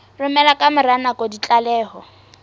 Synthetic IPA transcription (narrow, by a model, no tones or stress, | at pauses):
rʊmɛlakʼamʊɾanakʼɔdit͡ɬʼalɛːhɔ